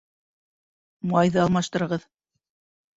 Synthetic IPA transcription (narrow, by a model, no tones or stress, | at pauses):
mɑjðɤɑlˠmɑʃt̪ɤ̆ɾɤ̆ʁɤð